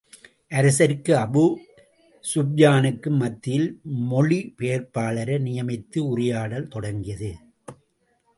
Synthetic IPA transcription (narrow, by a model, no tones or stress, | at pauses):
ʔɐɾɐsɐɾkːɯɐbu | sʊb̚jaːnɯkːɯmːɐt̪ːɪjɪlmɔɭipeːɾpaːɭɐɾɐnɪjɐmɪt̪ːɯʊrɪjaːɽɐlt̪ɔɽɐŋɡɪjɐðɯ